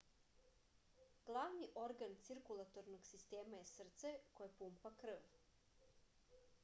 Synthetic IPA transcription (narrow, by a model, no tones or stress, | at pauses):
ɡ̥lˠaʋniʔo̞ɾɡant̪siɾkulˠat̪oɾnoɡsist̪eːmajesr̩t̪sekojepumpakr̩ʋ